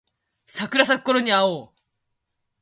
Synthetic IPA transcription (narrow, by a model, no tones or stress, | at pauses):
sʰakɯɾas̬ak͈ɔɾoɲiao